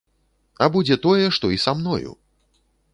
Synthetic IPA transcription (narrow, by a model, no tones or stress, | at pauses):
ɐbud͡zʲɛt̪ɔjɛʂt̪ɔisamnɔ̰jṵ